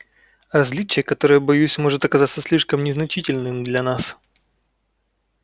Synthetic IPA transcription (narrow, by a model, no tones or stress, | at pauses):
rɐzʲlʲit͡ɕɪjəkɐt̪o̞ɾəjəbɐjusʲmo̞ʐɨt̪ɐkɐzat̪səsʲlʲiʂkəmnʲɪznɐt͡ɕitʲɪlʲnɨmd̪lʲɐnas